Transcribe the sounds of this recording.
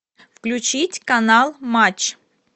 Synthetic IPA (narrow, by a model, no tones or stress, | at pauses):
fklʲut͡ɕitʲkanalˠmat͡ɕ